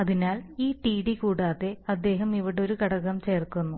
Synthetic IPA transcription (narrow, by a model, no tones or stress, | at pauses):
ɐðinaːliːʈiːɽikuːɽaːðe̞ɐd̪ːe̞ːɦɐmiʋiɽeo̞ɾukɐɽɐɣɐmt͡ɕe̞ːrkunːu